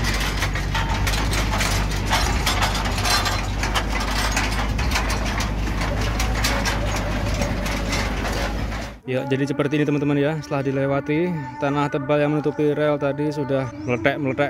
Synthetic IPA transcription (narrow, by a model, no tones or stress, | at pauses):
jad͡ʒadisəpərt̪iːnit̪əmant̪əmanjast̪əlahdilewat̪it̪anaht̪əbaljaŋmənut̪upiɾealt̪adisudahmələʈɛʔmələʈɛʔ